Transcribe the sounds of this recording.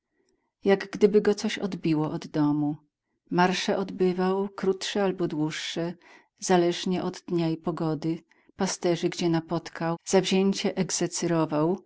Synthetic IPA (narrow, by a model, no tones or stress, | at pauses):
jaɡɡd̪ɘbɘɡɔt̪sɔɕɔ̰d̪bʲiwɔʔɔd̪ːɔmu | maɾʂɛʔɔd̪bɘvawkɾut̪ʂɛalbɔd̪wuʂːɛ | z̥alɛʐɲɛʔɔd̪ːɲaipɔɡɔd̪ɘ | past̪ɛʐɘɡd͡ʑɛnapɔt̪kʰawz̥avʑeɲt͡ɕɛʔɛɡzɛt̪sɛɾɔvaw